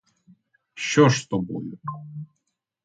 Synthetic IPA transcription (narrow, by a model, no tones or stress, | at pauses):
ʃt͡ʃɔʃst̪ɔbɔ̰jʊ